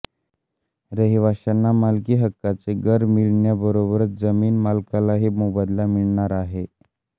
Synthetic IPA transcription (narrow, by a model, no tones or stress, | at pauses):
ɾəɦiʋaɕanːamalkiːɦəkːat͡seɡəɾmiɭɳjabəɾobəɾət̪d͡zəmiːnmalkalaɦimobad̪lamiɭɳaɾaɦe